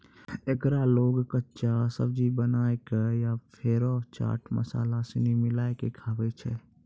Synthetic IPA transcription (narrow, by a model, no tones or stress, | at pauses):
ekɾaloːɡkətːt͡ʃasəbd͡ʒibənaːekajapʰeːɾot͡ʃa̰ːʈmə̰sa̰ːlasenimɪlaːekekʰaːʋet͡ʃʰɛ